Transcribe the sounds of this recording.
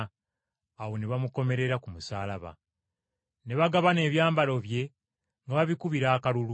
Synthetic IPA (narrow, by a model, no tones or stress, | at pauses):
awo̞neβamuko̞me̞ɾe̞ɾakumusaːlaβa̰ | ne̞βaɡaβane̞ːβjaːmbalo̞βje̞ | ŋɡaβaβikuβiɾaːkalulu